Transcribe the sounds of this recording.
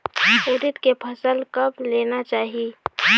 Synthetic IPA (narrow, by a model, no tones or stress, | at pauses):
ʊɾɪt̪kepʰɐsəlkɐbleːnat͡ʃaːɦie